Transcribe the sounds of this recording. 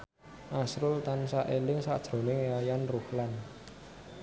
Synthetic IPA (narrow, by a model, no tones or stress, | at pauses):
ʔasɾʊlt̪ansaʔelɪŋsa̰d̥ʒ̥ɾo̤nɪŋajanruhlan